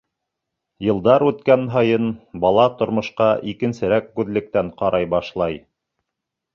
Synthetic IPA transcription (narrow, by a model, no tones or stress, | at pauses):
jɤ̆lˠd̪ɑɾʉt̪kænɦɑjɤnbɑlˠɑt̪ŏɾmŏʃqɑʔikɘ̆nsɘ̆ɾæk̚ɡʉðlɘ̆k̚t̪æɴqɑɾʔɑjbɑʃlˠɑj